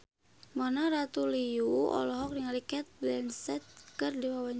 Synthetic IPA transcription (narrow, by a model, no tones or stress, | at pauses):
manaɾat̪uliuɔ̰lɔɦɔk̚diŋalikɛt̪̚blɛnsɛt̪̚kɨrdiwawaɲ